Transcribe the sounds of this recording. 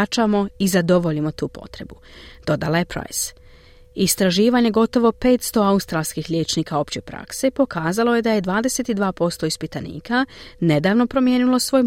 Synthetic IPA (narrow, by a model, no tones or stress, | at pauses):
t͡ʃamo̞izad̪o̞ʋoʎimo̞t̪uːpo̞̰t̪ɾe̞bud̪̥o̞d̪alaje̞pɾa̰js | ist̪ɾaʒiːʋaɲe̞ɡo̞t̪o̞ʋo̞pe̞ːt̪st̪o̞aust̪ɾalˠskixʎʲe̞ːt͡ʃniːkao̞pt͡ɕe̞pɾa̰kse̞po̞kaːzalo̞je̞d̪ajed̪ʋaːd̪ese̞t̪id̪ʋaːpo̞st̪o̞ispit̪anḭːkane̞d̪aːʋno̞pɾo̞mje̞ːnilo̞sʋo̞ːj